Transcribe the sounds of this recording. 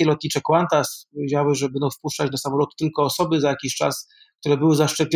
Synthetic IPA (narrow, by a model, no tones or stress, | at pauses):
ɛlɔt̪̚ɲit͡ʂɛkwant̪aspɔvʲjed͡ʑawɘʐɛbɛnd̪ɔ̃w̃fpuʂt͡ʂat͡ɕnasamɔlɔt̪t̪ɘlkɔːsɔbɘzajakʲiɕt͡ʂa̰s | kt̪uɾɛbɘwɘzaʂt͡ʂɛpʲlʲ